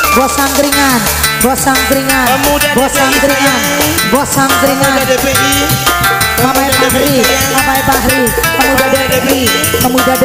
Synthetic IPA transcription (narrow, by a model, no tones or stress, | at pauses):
bɔsaŋkɾiŋan | bɔsaŋkɾiŋanbɔsaŋkɾiŋan | bɔsaŋkɾiŋan | mapajpaɦɾi | papaipaɦɾi | kəmudadabi | kəmudad